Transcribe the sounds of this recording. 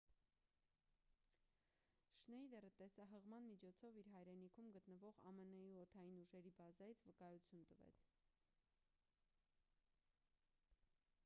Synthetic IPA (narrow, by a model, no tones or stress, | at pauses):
ʃnɛjd̪ɛɾət̪ɛsɑɦəʁmɑnmit͡ʃʰɔt͡sʰɔviɾɦɑjɾɛnikʰumɡət̪nəvɔʁɑ̰mənɛjuɔt̪ʰɑjinuʒɛɾibɑzɑjit͡sʰvəkɑjut͡sʰjunt̪əvɛ̰t͡sʰ